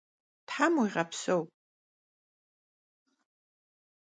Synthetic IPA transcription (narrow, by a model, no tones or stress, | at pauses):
tħamuiʁapʰsowpʼ